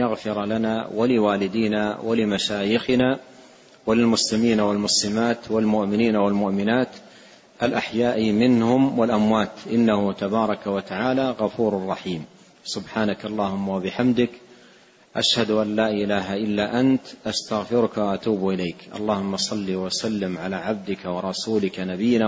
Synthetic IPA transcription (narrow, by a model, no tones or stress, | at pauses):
jaɣfɪɾlana̰ːwalɪwaːlɪd̪iːnaːwalɪmaʃaːjɪxɪnaː | walɪlmʊslɪmiːnawalmʊslɪmaːt̪walmʊʔmɪniːnawalmʊʔmɪnaːt̪ | ʔalʔaħjaːʔmɪnhʊmwalʔamwaːt̪ʔɪnːahʊt̪abɑːɾˤɑkawat̪aʕaːlaɣɑfuːɾʊrˤːɑħiːm | sʊbħaːnakʔɑlˤːɑːhʊmːawabɪħamd̪ɪk | ʔaʃhad̪ʊʔanːaːʔɪlaːɦaʔɪlːaːʔant̪ʔast̪aɣfɪɾʊkawaʔat̪uːbʔɪlajkʔɑ̰lˤːɑːhʊmːasˤɑlːiːwasalːɪmʕalaːʕab̚d̪ɪkawɑɾˤɑsuːlɪkanabɪjːɪna